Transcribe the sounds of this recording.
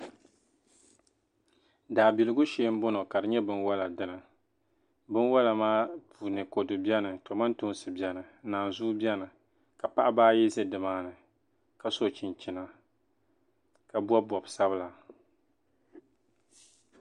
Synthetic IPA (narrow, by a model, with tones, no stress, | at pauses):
daː˨bi˨lɨ˦ɡʊ˦ʃeː˨˦m̩˦bɔ˦no˨ka˨ɾɨ˨ɲɛ˦bɨ˦nwa˦la˨dɨ˦nɨ˨ | bɨ˦nwa˦la˨maː˦pu˨nɨ˨ko˨dɨ˨bi˦ɛ˦nɨ˨tɔ˨ma˦n˦tʊ˦sɨ˨bi˨ɛ˦nɨ˨˦naː˨zu˦bjɛ˦nɨ˨ | ka˨pa˦ʔa˦baː˦jɛ˦zɛ˦dɨ˨maː˦nɨ˨ | ka˨so˦˨t͡ʃi˨nt͡ʃi˨na˦ | ka˨bɔ˦bɔ˨bsa˦bɨ˦la˨